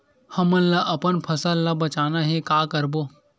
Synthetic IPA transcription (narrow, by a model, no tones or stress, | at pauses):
hɐmənlaʔɐpənpʰɐsəllɐbɐt͡ʃaːnaɦekaːkəɾboː